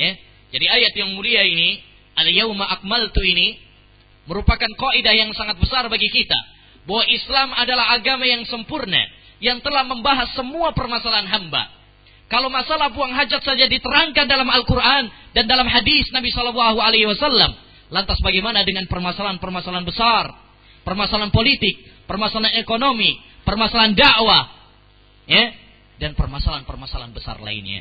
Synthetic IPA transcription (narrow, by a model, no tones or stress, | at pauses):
ja | d͡ʒadiajat̪jaŋmuliaini | aljawmaʔak̚malt̪uini | məɾupakankɔʔidahjaŋsaŋat̪̚bəsarbaɡikit̪a̰ | bawaislamadalaɦaɡamajaŋsəmpurna̰ | jaŋt̪əlahməmbaɦasːəmuapərmasalaanɦamba̰ | kalowmasalahpuaŋɦad͡ʒat̪sad͡ʒadit̪əɾaŋkandalamalkurʔandandalamhadisnabisɔlalːaɦualehiwasalːa̰m | lant̪asbaɡajmanadəŋanpərmasalanpərmasalanbəsar | pərmasalanpolit̪ɪk̚ | pərmasalanekonomi | pərmasalandaʔwa | ja | danpərmasalanpərmasala̰nbəsa̰rla̰ḭnɲa̰